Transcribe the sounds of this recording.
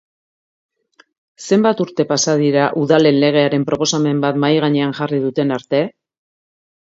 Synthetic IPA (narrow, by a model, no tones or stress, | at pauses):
se̞mbat̪uɾt̪e̞pasað̞iɾaʔuðale̞nle̞ɣ̞e̞aɾe̞mpɾʔo̞po̞same̞mbat̪majɣaɲe̞anʝariðut̪e̞naɾt̪e̞